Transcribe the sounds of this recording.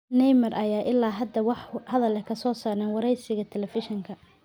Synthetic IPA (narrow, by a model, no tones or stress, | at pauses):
nɛjmɐrʔɐjaːʔɪlːaːɦɐd̪ɐwɑħhɐðɐlɛkʰɐsɔːsaːɾɛːnwɑɾɛjsɪɣɐt̪ʰɛlɛfɪʃɪŋkʰɐ